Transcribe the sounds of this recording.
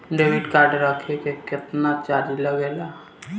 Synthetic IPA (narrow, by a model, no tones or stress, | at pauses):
ɖeːʋɪɖkaːɾɖɾəkʰekekɪt̪nat͡ʃaːɾiləɡeːla